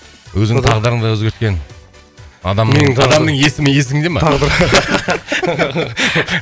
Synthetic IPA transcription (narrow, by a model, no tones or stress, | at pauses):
wɵzɪt̪ʰɑʁd̪əɾəɴd̪ɑwɵzɡʲe̞ɾt̪kʲe̞n | ɑd̪ɑmeɪŋʰɑd̪ɑmd̪əɴje̞sɪmɪje̞s̬ɪŋd̪e̞mɑt̪ʰɑʁd̪əɾ